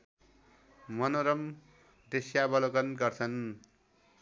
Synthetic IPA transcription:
mʌnoɾʌm | d̪esjabʌlokʌnɡʌrt͡sʰʌn

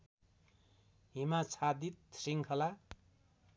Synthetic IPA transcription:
ɦimat͡sʰad̪it̪̚siŋkʰʌla

